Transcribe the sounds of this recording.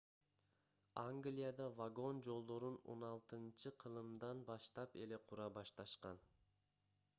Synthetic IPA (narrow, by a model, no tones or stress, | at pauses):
ɑŋɡlʲijad̪ɑvaɡo̞nd͡ʒo̞lˠd̪o̞ɾuno̞̰nɑlˠt̪ɯnt͡ʃɯqʰɯlˠɯmd̪ɑnbɑʃt̪ɑpe̞le̞qʰuɾɑbɑʃt̪ɑʃqɑn